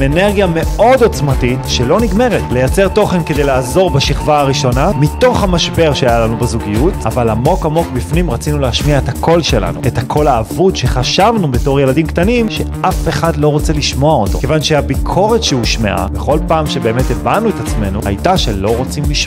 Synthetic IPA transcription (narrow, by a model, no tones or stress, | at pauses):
ene̞ʁɡjame̞o̞do̞t͡smatitʃe̞lo̞niɡme̞ʁetle̞jat͡se̞ʁto̞χe̞nked̪ejlaːzo̞ʁbaʃiχvaaʁiʃo̞namito̞χhamaʃbe̞ʁʃeajalanubazuɡijuta̰valamo̞kamo̞kbifnimʁat͡sinuleaʃmiaethakʰo̞lʃe̞la̰nṵe̞thakʰo̞laːvutʃe̞χaʃavnubeto̞ʁje̞ladimktanimʃe̞ʔafe̞χadlo̞ʁo̞t͡seliʃmo̞aot̪o̞kevanʃeabikʰo̞ʁe̞tʃeuʃmḛʔa̰beχo̞lpaːmʃe̞be̞ːmetebanuetat͡sme̞nuha̰jtaʃe̞lo̞ʁo̞t͡simliʃ